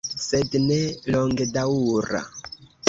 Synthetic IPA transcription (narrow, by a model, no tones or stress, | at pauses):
sedneloŋɡedauɾa̰